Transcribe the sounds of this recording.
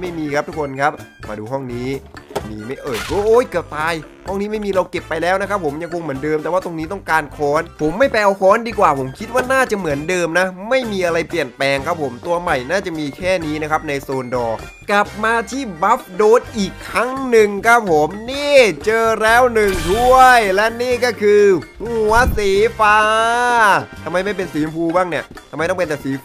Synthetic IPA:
ma˥˩jmiː˧kʰp̪̚ʰu˦˥kʰo˧nkʰa˦˥p̚ma̰ː˧duː˧ɦɔ˥˩ŋniː˦˥miː˧ma˥˩jʔɤː˨˩jkoː˧˩ʔoː˨˥˩jkɯ˨˩p̚t̪aː˧j | hɔ˥˩ŋniː˦˥ma˥˩jmiː˧ɾa˧wke˨˩pːa˧jlɛː˦˥wna˦kʰa˦˥pʰːo˩˦mja˧ŋkʰo˧ŋmɯ˩˦ndɤː˧mt̪ɛ˨˩waː˥˩t̪o˧ŋniː˦˥t̪ɔ˥˩ŋkaː˧nkʰɔː˦˥npʰo˩˦mːa˥˩jpɛː˧ʔa˧wkʰɔː˦˥ndiː˧kwaː˨˩pʰo˩˦mkʰi˦˥t̪̚waː˥˩naː˥˩t͡ɕa˨˩mɯ˩˦əndɤː˧mna˦˥ma˥˩jmiː˧ʔa˧ɾa˧jpli˨˩ənpɛː˧ŋkʰa˦˥pʰo˩˦mt̪u˧ɐma˨˩jnaː˥˩t͡ɕa˨˩miː˧kʰɛː˥˩niː˦˥na˦˥kʰa˦˥p̚na˧jsoː˧ndɔː˧ | kla˨˩p̚maː˧t̪ʰiː˥˩ba˦˥p̚doː˨˥t̪̚ʔiː˨˩kʰːɾa˦˥ŋnɯ˨˩ŋkʰa˦˥p̚ʰːo˩˦mniː˥˩t͡ɕɤː˧ɾɛː˦˥˩wnɯ˨˩ŋt̪ʰu˥˩əjlɛ˦˥niː˥˩kɔː˥˩kʰɯː˧hu˨˩˦ɐsiː˨˦faː˧ | t̪ʰa˧ma˧jma˥˩jp̬e˧nsiː˩˦mpʰuː˧baː˥˩ŋni˦˥˩ɐtʰa˧mːa˧jt̪ɔ˥˩pe˧nt̪ɛ˨˩siː˩˦

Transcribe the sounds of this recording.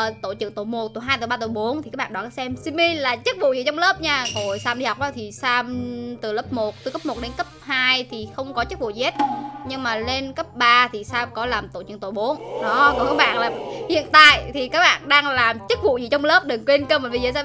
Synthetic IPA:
t̪o˧˩t͡ɕɨ̰˧˨ŋt̪o˧˩jmo˨˩t̚t̪o˧˩˦ɦaː˧jt̪o˨˧˩ɓaː˧t̪o˧˩jɓo˨˦nt̪ʰi˨˩aː˦˥ɓ̰aː˧˨ɔ˧˨˩kːa˨˦sɛ˧msi˧mi˧laː˨˩t͡ɕə˦˥k̚vṵ˧˨zḭ˧˨˩t͡ɕɔ˧wŋ͡mləː˦˥p̚ɲaː˧ɣo˧˨˩jsaː˧mɗi˧ha˨˩wk͡p̚ʔa˨˧˦t̪ʰi˨˩saː˧mt̪ɨ˨˩ləː˦˥p̚mo˨˩t̚t̪ːkə˦˥p̚mo˨˩t̚ɗe˨˦nkə˦˥p̚haː˧jt̪ʰi˨˩xə˧wŋ͡mkɔ˨˦t͡ɕə˦˥k̚vṵ˧˨ze˦˥t̚ɲɨ˧ŋmaː˨˩le˧nkə˦˥p̚ɓaː˧t̪ʰi˨˩saː˧mkɔ˨˦laː˨˩mt̪o̰˧˩jt͡ɕɨ̰˧˨ŋt̪o˧˩ɓo˨˦nɗɔ˨˦ko˨˩kaː˦˥ɓa̰ː˧˨nlaː˨˩hḭ˧˨ənt̪a̰ː˧˨jt̪ʰi˨˩kaː˦˥k̚ɓa̰ː˧˨nɗaː˧ŋlaː˨˩mt͡ɕə˦˥k̚vṵ˧˨zḭ˧˨t͡ɕɔ˧wŋ͡mləː˦˥p̚ɗɨ˨˩ŋkwe˧nkə˧mə˨˩nvi˨˩zə̰˧˨˦s

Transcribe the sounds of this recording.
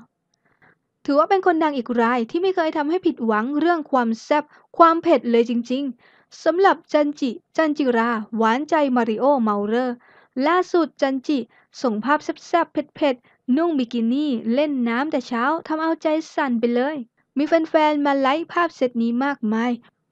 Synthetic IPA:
t̪ʰɯː˨˩˦waː˥˩pe˧nkʰo˧nda˧ŋʔiː˨˩k̚ɾaː˧jt̪ʰiː˥˩ma˥˩jkʰɤː˧jt̪ʰa˧mha˥˩jpʰi˨˩t̪̚wa˩˦ŋɾɯ˥˩əŋkʰwaː˧msɛ˥˩p̚ | kʰwaː˧mpʰe˨˩t̪̚lɤː˧jt͡ɕi˧ŋt͡ɕi˧ŋ | sa˩˦mɾa˨˩p̚t͡ɕa˧nt͡ɕi˨˩t͡ɕa˧nt͡ɕi˨˩ɾaː˧waː˨˩˦nt͡ɕa˧jmaː˧ɾi˧˥ʔoː˥˩ma˧wɾɤː˥˩ | laː˥˩su˨˩t̪̚t͡ɕa˧nt͡ɕi˨˩ | so˨˩˦ŋpʰaː˥˩p̚sɛ˦˥˩p̚sɛ˥˩pʰːe˨˩t̪̚pʰe˨˩t̪̚ | nu˥˩ŋbi˧˩kiː˧niː˥˩le˥˩nːaː˦˥mt̪ɛː˨˩t͡ɕʰaː˦˥wt̪ʰa˧mʔa˧wt͡ɕa˧jsa˨˩npa˧jlɤː˧j | miː˧fe˧nfɛː˧nmaː˧la˦˥jpʰaː˥˩p̚se˨˩t̪̚niː˦˥maː˥˩k̚maː˧j

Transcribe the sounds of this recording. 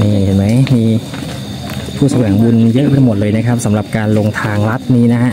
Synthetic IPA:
miː˧˩he˨˩nma˦˥jmiː˧˩ | pʰuː˧˩sa˧wɛː˩˦ŋbu˧njɤ˦˥ʔba˧˩jmo˨˩t̪̚lɤː˧jna˦˥kʰa˦˥p̚sa˩˦mɾa˨˩p̚kaː˧nlo˧ŋt̪ʰaː˧ŋɾa˦˥t̪̚niː˦˥na˦˥kʰa˦˥ʔ

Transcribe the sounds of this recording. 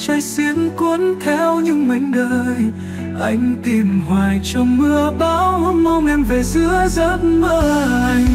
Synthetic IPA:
t͡ɕa˧jsi˧˦ənku˨˧˦ənt̪ʰɛ˧wɲɨ˧˥ŋmi˨˩jŋ̟ɗəː˧˨˧j | ʔa˧jŋ̟t̪i˨˧˩mhwaː˨˩jt͡ɕɔ˧ŋ͡mmɨ˧əɓa˨˦wma˧wŋ͡mʔɛ˧mve˨˩zɨ˧˦əza˦˥t̚məː˧˨j

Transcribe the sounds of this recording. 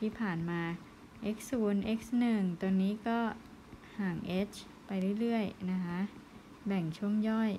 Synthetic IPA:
t̪ʰiː˥˩pʰaː˨˩nmaː˧ | ʔe˦˥k̚suː˨˦nʔe˦˥k̚snɯ˨˩ŋt̪o˧nːiː˦˥kɔː˥˩ | haː˨˩ŋʔe˦˥t͡ɕʰ | pa˧jɾɯ˥˩jɾɯ˥˩əjna˦˥kʰa˦˥ʔ | bɛ˨˩ŋt͡ɕʰu˥˩əŋjɔ˥˩j

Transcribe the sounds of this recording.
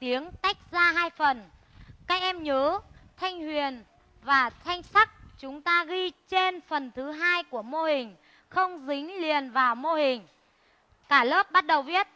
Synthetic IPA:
t̪i˨˦əŋt̪a˦˥k̟̚zaː˧ɦaː˧jfə˨˩n | kaː˦˥k̚ʔɛ˧mɲəː˨˦t̪ʰa˧jŋ̟hwi˨˩ən | vaː˨˩t̪ʰa˧jŋ̟sa˦˥k̚t͡ɕʊ˨˦ŋ͡mt̪aː˧ɣi˧t͡ɕe˧nfə˨˩nt̪ʰɨ˨˦ɦaː˧jku˧˩əmo˧hï˨˩ŋ̟ | xə˧wŋ͡mzi˨˦ŋ̟li˨˩ənvaː˨˩wmo˧hï˨˩ŋ̟ | kaː˧˩lə˦˥p̚ɓa˦˥t̚ɗə˨˩wvi˦˥ət̚

